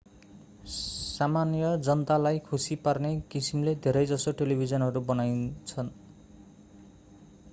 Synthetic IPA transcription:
samanjʌd͡zʌnt̪alajkʰusiparnekisimled̪ʱeɾʌjd͡zʌsoʈelibʱid͡zʌnɦʌɾubʌnajt͡sʰʌn

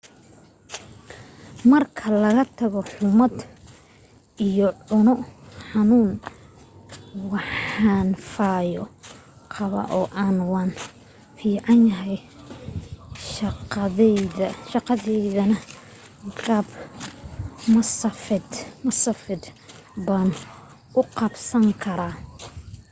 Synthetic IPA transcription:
mɐrkʰɐlɐɣɐt̪ʰɐɣɔħʊmɐd̪ | ʔijɔʕʊnɔħɑnuːn | wɑħɑːnfaːjɔqʰɑβɐ̰ʔɔːʔaːnwɑːn | fiːʕɑnjɐɦɛj | ʃɑqɛðɐʃɑqɑðɛjðɐnɐ | ɡaːb | mɐsɐfɪd̪mɐsɐfɪd̪ | baːn | ʊqɑbsɐŋkʰɐɾaː

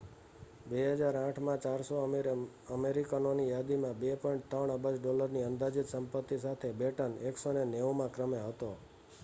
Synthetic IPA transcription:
beɦəd͡ʒaɾãʈʰmãt͡ʃaɾso | əmeɾikənonijad̪imãbepɔiɳʈ̚t̪əɳəbəd͡ʒɖɔləɾniənd̪ad͡ʒit̪səmpət̪ːisat̪ʰebeʈəneksoneneʋmãkɾəmeɦət̪o

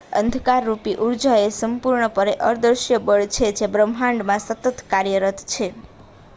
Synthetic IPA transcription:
ə̰nd̪ʱkaɾːupiʔuɾd͡ʒaesəmpuɾɳəpəɾeʔəɾd̪əɾʃjəbəɭt͡ʃʰed͡ʒebɾəmɦãɳɖmãsət̪ət̪kaɾjəɾət̪t͡ʃʰe

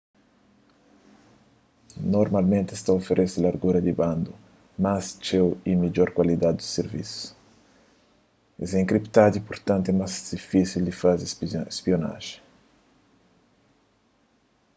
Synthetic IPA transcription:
noɾmalmẽnt̪est̪aofeɾʔeselaɾɡuɾɐd̪ibãnd̪u | mast͡ʃewimid͡ʒɔɾkwalid̪ad̪d̪useɾvḭsju̥s | ɛ̰zẽŋkɾipt̪ad̪ipuɾt̪ãnt̪emazd̪̥ifisild̪ifazespiona̰ʒe̥

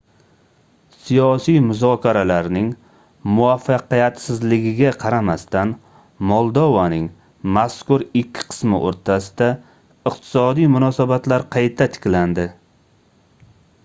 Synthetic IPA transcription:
sijɒsijmʊzɒkʲʰaɾalaɾnɪŋ | mʊafːɑqijat̪sɪzlɪɡʲɪɡʲaqʰɑɾamast̪an | mɒlˠd̪ɒvanɪŋ | maskʊɾɪkʲʰːɪ̥qʰɨ̥smɪ̰ʔo̰ɾt̪ʰasɪd̪̥a | ɨqt̪ʰɪ̥sɒd̪ijmʊnɒsabat̪laɾqʰɑjt̪ʰat̪ʰɪ̥kʲland̪ɪ

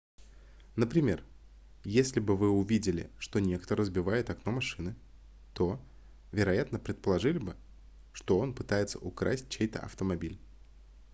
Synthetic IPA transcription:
nəpɾʲɪmʲe̞r | jesʲlʲɪbɨvɨʊvʲidʲɪlʲɪ̰ʂt̪o̞nʲe̞kt̪əɾəzbʲɪvajɪt̪ɐkno̞mɐʂɨnɨ | t̪o̞ | vʲɪɾɐjat̪nəpɾʲɪt̪̚pəlˠɐʐɨlʲɪbɨ | ʂt̪o̞o̞npɨ̥t̪ajɪt̪səʔʊkɾa̰sʲt̚ʲt͡ɕejt̪ə̰ʔɐ̰ft̪əmɐbʲilʲ

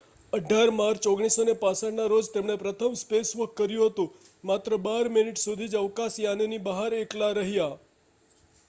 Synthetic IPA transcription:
əɖʱaɾmaɾt͡ʃoɡɽ̃isonepãsaɽnaɾod͡ʒt̪emɽ̃epɾət̪ʰəmspesʋəkːəɾjũɦət̪ũ | mat̪ɾəbaɾminiʈsud̪ʱid͡ʒəʋkasjanenibəɦaɾeklaɾəɦja

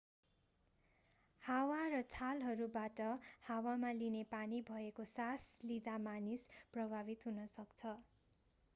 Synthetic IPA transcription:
hawarʌt͡sʰalɦʌɾubaʈʌhawamalinepanibʱʌekosaslid̪amanisprʌbʱabit̪ɦunʌsʌkt͡sʰʌ

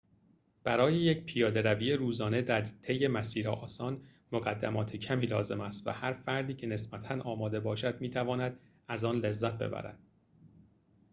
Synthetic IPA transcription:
b̥æɾɒːjejecpʰijɒːd̪e̞ɾæviːeɾuːzɒːne̞d̪æɾt̪ʰe̞jːe̞mæsiːɾeʔɒːsɒːn | moɣæd̪ːæmɒːt̪ʰecʰæmiːlɒːze̞mæst̪væ̰hæɾfæɾd̪iːcʰe̞ne̞sbæt̪ʰænɒːmɒːd̪e̞bɒːʃæd̪miːt̪ʰævɒːnæd̪̥̚ | æzɒːnlezːæt̪̚ʰbe̞̰bæ̰ɾæ̰d̪̥

